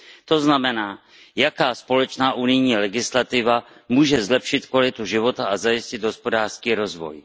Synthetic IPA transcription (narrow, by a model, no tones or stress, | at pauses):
t̪o̞znamɛnaː | jakaːspo̞lɛt͡ʃnaːʔunɪjɲiːlɛɡɪslat̪ɪva | muːʒɛzlɛpʃɪt̪kvalɪt̪uʒɪvo̞t̪aʔazajɪscɪd̪ɦo̞spo̞daːr̥skiːɾo̞zvo̰j